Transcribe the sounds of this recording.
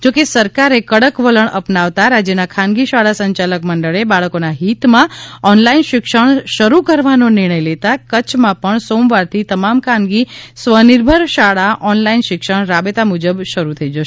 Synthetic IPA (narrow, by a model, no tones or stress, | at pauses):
d͡ʒokesəɾkaɾekəɽəkʋələɳəpnaʋt̪aɾad͡ʒjənakʰãnɡiʃaɭasəɲt͡ʃaləkməɳɖəɭebaɭəkonaɦit̪mãɔnlainʃɪkʃəɳʃəɾukəɾʋanonɪɾɽ̃əjlet̪akət͡ʃʰmãpəɳsomʋaɾt̪ʰit̪əmamkʰãnɡisʋəniɾbʱəɾʃaɭaʔɔnlainʃɪkʃəɳ̃ɾabet̪amud͡ʒəbʃəɾut̪ʰəid͡ʒəʃe